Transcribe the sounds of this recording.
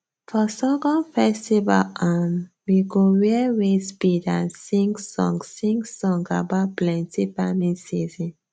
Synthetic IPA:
fɔsɛɡɔ̃nfɛstiva̰lam | wiɡoɹiwespidãnsĩŋɡsɔ̰̃ŋɡsĩŋɡsɔ̃ŋɡabaplɛ̃ntifamĩnsizĩn

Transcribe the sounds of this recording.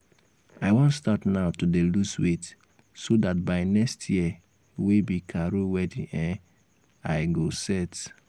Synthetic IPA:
aɪwɔ̃ntstatnaʊtudeluswet | sodat̚baɪnɛkstʰjiə | webikʰaɾowɛdḭ̃ɛ̃ | aɪɡosɛt

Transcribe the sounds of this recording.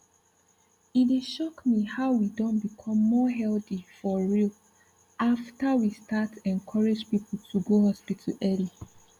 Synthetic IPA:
ideʃɔkmihaʊwidɔ̃nbikʰɔ̃mːɔɦɛlθifɔɹil | aftəwistatʰɛ̃nkʰɔɹed͡ʒpipl̩tʰuɡohɔspitʰa̰lɛli

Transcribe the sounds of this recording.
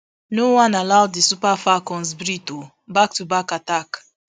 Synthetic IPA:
nowãnalawddisupafakɔ̃nsbɾito | bak̚tubakatak

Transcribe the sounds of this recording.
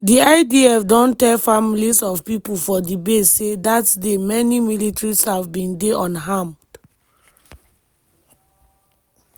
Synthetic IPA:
diaɪdiɛfdɔ̃ntɛlfamilisɔvpipolfɔdibessedatdemɛnimilitɹishavbĩndeʔɔ̃nɦãmd

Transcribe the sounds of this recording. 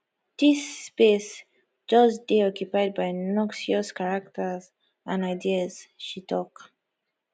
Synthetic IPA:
disːpes | d͡ʒʌsdeɔkjupajd̚bajnɔksiɔskaɹak̚təz | ãnaɪdiəzʃitʰɔk

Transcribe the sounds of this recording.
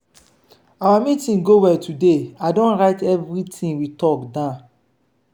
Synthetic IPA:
awamitĩnɡowɛtʰudeadõnɹaɪtɛvɾitĩnwitɔkdã

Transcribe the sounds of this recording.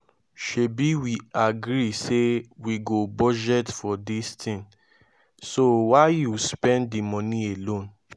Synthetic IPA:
ʃebiwiaɡɾisewiɡobɔd͡ʒɛtfɔdistʰĩn | sowaɪjuspɛ̃nddimɔ̃nĩelõn

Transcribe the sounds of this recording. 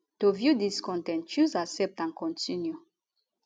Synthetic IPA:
tovjudiskɔ̃ntɛ̃nt͡ʃuzaksɛp̚tãnkʰɔ̃ntʰĩnju

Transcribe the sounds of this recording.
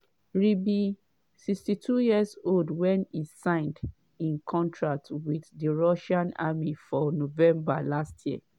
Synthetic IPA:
ɹibi | sikstitʰujiəzoldwɛ̃nisãɪ̃nd | ĩnkʰɔ̃ntʰɹak̚twiðdiɹɔʃãnamifɔnovɛ̃mbalastʰjiə

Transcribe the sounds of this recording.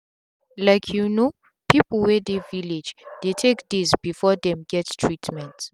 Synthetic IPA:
lajkʰjuno | pʰipl̩ˠwɛd̪evilid͡ʒd̪̥etʰekdizbifɔd̪ɛ̃mɡɛttʰɹitʰmɛ̃nt

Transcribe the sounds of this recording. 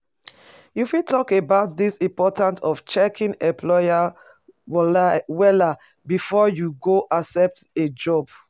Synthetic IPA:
jufitɔkebaʊt̚ðisĩmpɔtãntʰɔft͡ʃɛkʰĩŋɛ̃mpʰlɔja | wɛla | bifɔjuɡoʔasɛp̚ted͡ʒɔb̥

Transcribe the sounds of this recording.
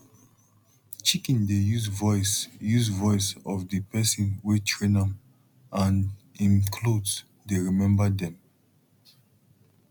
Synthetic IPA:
t͡ʃikĩndejuzvɔɪsjuzvɔɪsɔvdipɛsɔ̃nwitʰɹẽnãm | ʔãn | ĩnkʰlods | deɹimɛ̃mbədɛ̃m

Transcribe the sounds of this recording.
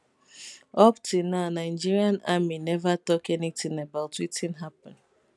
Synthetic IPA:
ɔptʰunaʊnaɪ̃d͡ʒiɹiãnaminɛvatɔkɛnitĩŋabaʊtitĩnɦapɔ̃n

